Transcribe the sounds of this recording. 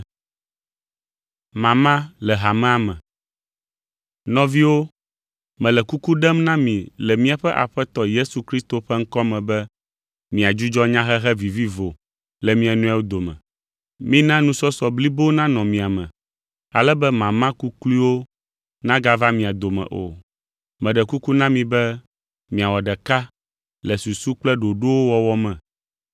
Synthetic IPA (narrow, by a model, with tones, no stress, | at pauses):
mã˨mã˦lɛ˨ɦa˨mɛ̃˦a˨mɛ̃˨ | nɔ̃˨vi˦wo˦ | mɛ̃˨lɛ˨ku˦ku˦ɖɛ˦mnã˦mĩ˨lɛ˨mĩ˦a˨ɸɛ˦ʔa̰˨ɸɛ˦t̪ɔ˨je˦su˨kɾi˦st̪o˨ɸɛ˦ŋ̩˦kɔ˦mɛ̃˨bɛ˦ | mĩ˨a˨d͡ʒu˦d͡ʒɔ˦ɲã˦ɦɛ˦ɦɛ˦vi˨vi˦vo˨ | lɛ˨mĩ˦ɛ˨nũ˦a˦wo˦d̪o˨mɛ̰̃˨ | mĩ˦nã˦nũ˦sɔ˦sɔ˨bli˦bo˦nã˦nɔ̃˨mĩ˨a˨mɛ̰̃˨ | a˨lɛ˦bɛ˦mã˨mã˦ku˦kli˦wo˦ | nã˦ɡa˦va˦mĩ˨a˨d̪o˨mɛ̰̃˨ʔo̰˨ | mɛ̃˨ɖɛ˨ku˦ku˦nã˦mĩ˨bɛ˦ | mĩ˨a˨wɔ˨ɖɛ˨ka˦ | lɛ˨su˨su˦k͡plɛ˦ɖo˨ɖo˦wo˦wɔ˦wɔ˦mɛ̃˨